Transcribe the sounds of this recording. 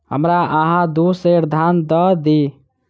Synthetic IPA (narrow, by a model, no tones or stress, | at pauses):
ɦə̰mɾaʔəɦãd̪useɾd̪ʱand̪əd̪i